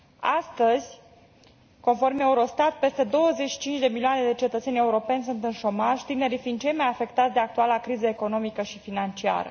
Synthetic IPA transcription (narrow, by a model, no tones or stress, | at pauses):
ast̪əz̥ʲ | ko̞nfo̞rme̞uɾo̞st̪at̪̚pe̞st̪e̞d̪o̞wəzet͡ʃʃi̥t͡ʃint͡ʃd̪e̞miliane̞d̪e̞t͡ʃe̞t̪ət̪se̞nʲe̞uɾo̞pe̞nʲs̬unt̪ɨnʃo̞maʒt̪ine̞ɾifind̪t͡ʃe̞jmajafe̞kt̪at̪sʲd̪e̞ak̚t̪ualakɾizəeko̞no̞mikəʃifinant͡ʃia̰ɾə̰